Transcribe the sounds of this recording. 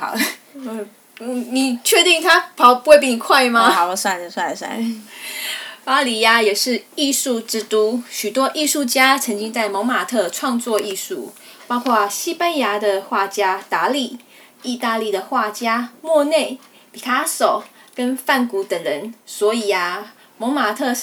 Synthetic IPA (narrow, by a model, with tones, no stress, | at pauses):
ɑ̰˨˩˦ | ni˨˩t͡ɕʰɥɛ˥˧t̪i˥˩ŋt̪ʰa˥pʰɑ˨˦ʊpu˧we˥˧p̬i˥˩ŋni˨˩kʰwa˥˩ɪma˦˨˩sa˥˧˩n˩sa˥˩sa̰˥˩n | pa˥li˧˨˥a˧jɛ˨˩ʂɻ̩˥˧i˥˧ʂu˥˧ʈ͡ʂɻ̩˥t̪u˥ɕy˨˩t̪wɔ˥ʔi˥˧ʂu˥˧t͡ɕja˥t͡sʰɤ˧˥ŋt͡ɕi˥ŋt͡sa˥˩ɪmɑ˧˥ŋma˨˩t̪ʰɤ˥˧ʈ͡ʂʰwɑ˥˧ŋt͡swɔ˥˧i˥˧ʂṵ˥˩ | pɑ˥ʊkʰwa˥˩ɕi˥pa˥nja˧˥d̪ə˨xwa˥˩t͡ɕja˥t̪a˧˥li˥˩ | i˥˧t̪a˥˧li˥˩d̪ə˩xwa˥˩t͡ɕja˥mwɔ˥˧ne˥˩ɪ | pi˨˩t̪ʰa˥ʂo˨˩ʊkə˦˥nfa˥˩nku˧˥t̪ə˨˩ŋɻə˧˦nswɔ˧˥i˨˩a˩ | mo˧˥ŋma˨˩t̪ʰɤ˥˧